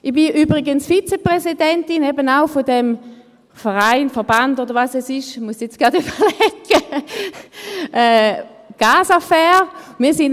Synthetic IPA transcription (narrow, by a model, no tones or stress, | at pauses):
ʔib̥iʔyːbʁiɡənsfit͡sepʁɛsidɛntinɛbənaʊfodɛm | fəʁaɪnfəɐbandodəʁvasɛsɪʃmuəsɛt͡sɡ̥ʁadyb̥əlɛkːə | ʔɛːɡ̥aːsafɛːʁmiːɐsin